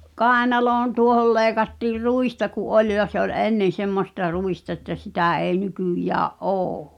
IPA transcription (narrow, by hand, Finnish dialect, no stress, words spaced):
kɑˑenɑloːn tuohol leːĭkɑtːiːr ruistɑ kuʔ ʔolʲ jɑ se ol enːen̞ semːostɑ ruistɑ ĕtːæ sitæˑ eˑi̞ nykyˑjæːʔ ʔoː